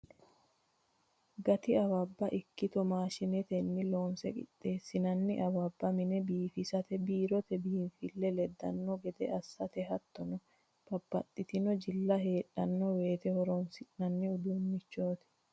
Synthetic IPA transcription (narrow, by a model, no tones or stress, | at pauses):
ɡɐt̪ɪɐwɐbːɐʔɪkːɪt̪ɔmaːʃɪnɛt̪ɛnːɪloːnsɛkʼɪ̰t̪ʼːe̞ːsːɪnɐnːɪʔɐbɐbːɐmɪnɛbiːfɪsɐt̪ɛbiːɾɔt̪ɛbiːnfɪlːɛlɛd̪ːɐ̰nːɔɡɛd̪ɛɐsːɐt̪ɛɦɐt̪ːɔnɔ | b̥ɐb̥ːɐt̪ʼːɪt̪ɪnɔd͡ʒɪlːɐɦe̞ːᶑːɐnːɔwe̞ːt̪ɛhɔɾɔnsɪnɐnːɪʊd̪unːɪt͡ʃːo̞ːt̪ɛ̥